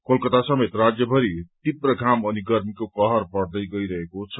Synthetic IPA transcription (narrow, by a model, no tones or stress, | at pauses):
kolkʌt̪asʌmet̪rad͡zjʌbʱʌɾit̪iprʌɡʱamʌniɡʌrmikokʌɦʌrpʌɽd̪ʌjɡʌjɾʌɦekot͡sʰʌ̥